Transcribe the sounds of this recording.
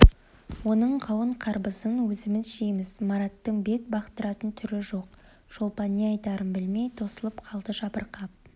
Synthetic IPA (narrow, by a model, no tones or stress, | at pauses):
wo̞nəɴqʰɑwəɴqʰɑɾbəzənwɵzɪmɪzʃejmɪzmɑɾɑt̪ːəɴbe̞t̪̚bɑqt̪əɾɑt̪ənt̪ʰʏɾɪʒo̞q̚ | ʒ̥o̞lˠpɑnːeɑjt̪ɑɾənbɪlme̞jt̪ʰo̞səlˠəpqʰɑlˠd̪əʒɑbəɾqɑp̚